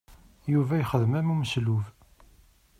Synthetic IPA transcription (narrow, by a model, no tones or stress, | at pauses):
juvæjχəðmæmumsluv